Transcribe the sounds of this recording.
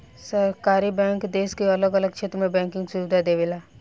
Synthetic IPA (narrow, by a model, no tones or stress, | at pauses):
səɾkaːɾibɛ̃ːŋkd̪eːskiɐləɡələɡ̚t͡ʃʰeːt̪ɾəmẽbɛ̃ːŋkɪ̃ŋɡsuːʋd̪ad̪eːʋeːlaː